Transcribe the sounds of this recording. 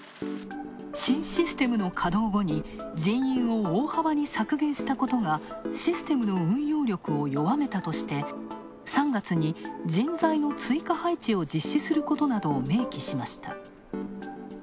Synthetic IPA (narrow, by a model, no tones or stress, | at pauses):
ɕĩɰ̃ɕisɨ̥t̪e̞mɯ̟no̞kʰad̪o̞ːɡo̞ɲ̟i | d͡ʑĩɰ̃jĩɰ̃o̞oːhaβaɲ̟isakɯ̟ɡẽ̞ɰ̃ɕi̥t̪ako̞t̪o̞ŋa | ɕisɨ̥t̪e̞mɯ̟no̞ɯ̟̃ɰ̃jo̞ːɾʲo̞kɯ̟o̞jo̞βame̞t̪at̪o̞ɕi̥t̪e̞ | sãŋɡat͡sɨɲ̟id͡ʑĩnd͡zaino̞t͡sɨikahait͡ɕio̞d͡ʑiɕːisɨɾɯ̟ko̞t̪o̞nad̪o̞ːme̞ːkʲiɕimaɕi̥t̪a̰